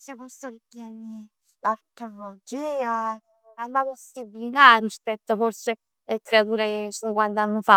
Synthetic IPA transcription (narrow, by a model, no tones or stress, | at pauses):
sevɔɾsolipjɛni | aɾkolod͡ʒiːa | alːaposːibːilit̪arispɛt̪ːaforse | ɛkɾeat̪uːɾasukwant̪anːʊfa